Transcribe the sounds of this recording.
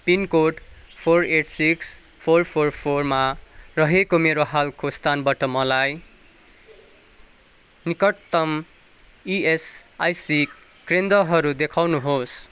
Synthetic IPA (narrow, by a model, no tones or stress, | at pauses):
pinkoʈpʰoreʈsiks | pʰorpʰorpʰormarʌɦekomeɾoɦalkost̪ʰanbaʈʌmʌlaj | nikʌt̪ʌm | iesajsik | krend̪ʌɦʌɾud̪ekʰawnuɦos